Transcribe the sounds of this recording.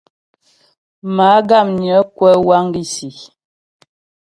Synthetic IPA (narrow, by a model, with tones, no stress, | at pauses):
ma˨˦ɡa˦˨mɲjə˨˦kwɛ˦wa˦ŋ˦ɡi˦si˨